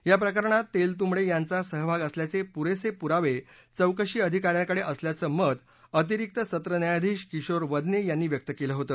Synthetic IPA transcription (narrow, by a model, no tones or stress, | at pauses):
japɾəkəɾɳ̃at̪ːelt̪̬umɭejãnt͡sasəɦəbʱaɡəsljat͡sepuɾesepuɾaʋe | t͡səwkəɕiːəd̪ʱikaɾjãkəɽeʔəsljat͡səːməd̪ | ət̪̬iɾik̚t̪əsət̪ɾənjajd̪ʱiːɕkiɕoɾʋəd̪nejanːiːʋjək̚t̪əkeləɦot̪əː